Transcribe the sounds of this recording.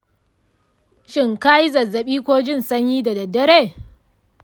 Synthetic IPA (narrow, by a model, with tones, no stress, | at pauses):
ʃɪ˦˨ŋkaː˦ji˦zɐ˨zːɐ˨ɓiː˦kʷoː˦d͡ʒɪ˦˨nsɐ˦ɲjiː˦da˨dɐ˨dɐ˦ɾeː˦˨